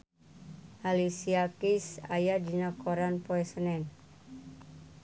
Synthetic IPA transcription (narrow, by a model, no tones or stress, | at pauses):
ʔalisiakisa̰jad͡ʒinakoɾanpoɛsənɛn